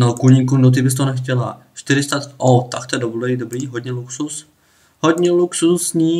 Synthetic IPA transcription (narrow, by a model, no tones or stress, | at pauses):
nokuɲɪkudot̪̬ɪbɪst̪onɛxcɛla | ʃt̪ɪɾɪst̪at̪ot̪akt̪oɛdoblɛidobɾiːɦodɲɛluksus | hodɲɛluksusɲiː